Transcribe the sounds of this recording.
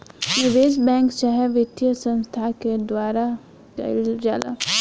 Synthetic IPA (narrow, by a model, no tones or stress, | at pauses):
nɪʋeːs̬bɛ̃ːŋkt͡ʃaɦɛʋɪt̪jəsə̃nst̪ʰaked̪waːɾa | kɐ̰ld͡ʒaːla̰